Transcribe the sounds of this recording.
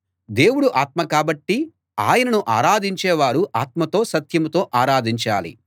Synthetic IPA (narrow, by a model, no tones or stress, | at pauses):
d̪e̞ːwuɽuʔaːt̪mɐkaːbɐʈːi | aːjɐnɐnuʔaːɾaːd̪iɲt͡ʃɛːʋaːɾuʔaːt̪mɐt̪o̞ːsɐt̪jɐmut̪o̞ːʔaːɾaːd̪iɲt͡ʃaːlḭ